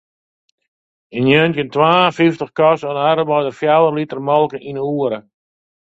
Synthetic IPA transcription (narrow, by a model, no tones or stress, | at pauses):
injøntjəntwaːəfiftəχkɔsɔnaɾəʋɔjdərfjawəlitərmɔlˠkəʔinəuəɾə